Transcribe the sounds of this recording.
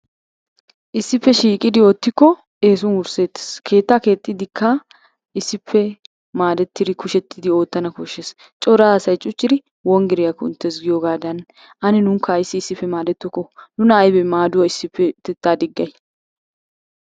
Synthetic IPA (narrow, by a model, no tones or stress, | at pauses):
ʔɪsːɪpːɛʃiːkʼɪd̪ɪoːt̪ːɪkːɔ | eːs̬ʊnʊɾse̞ːt̪ːɪ̥skʰe̞ːt̪ːaːke̞ːt̪ʼːɪd̪ɪkʰːɐ | ɪsːɪpʰːɛ | maːd̪ɛt̪ːɪd̪ɪkʊʃɛt̪ʰːɪd̪ɪo̞ːt̪ːɐnɐkɔʃːes | t͡ʃʼɔɾaːsɐjt͡ʃʼʊt͡ʃʼːɪd̪ɪ | wɔŋɡɪɾɪjɐkːɔɪ̰nt̪ːɛs̬ɡɪjoːɡaːd̪ɐn | ʔɐnɪnʊŋkʰːɐjɪsːɪsːɪpːɛmaːd̪ɛt̪ːɔkːɔnʊnɐːjbɛmaːd̪ʊwɐɪsːɪpːɛt̪ɛt̪ːaːd̪ɪɡːɐj